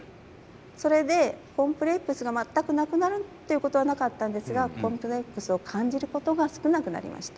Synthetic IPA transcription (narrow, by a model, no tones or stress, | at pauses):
so̞ɾe̞d̪e̞kõ̞mpɯ̟ɾe̞kːɯ̟sɨɡamat̪ːakɯ̟nakɯ̟naɾɯ̟t̪ːe̞jiɯ̟ko̞t̪o̞βanakat̪ːãnd̪e̞sɨɡakõ̞mpɯ̟ɾekːɯ̟sɨo̞kʰãɲ̟d͡ʑiɾɯ̟ko̞t̪o̞ɡasɨ̥kɯ̟nakɯ̟na̰ɾʲḭma̰ɕi̥t̪ḁ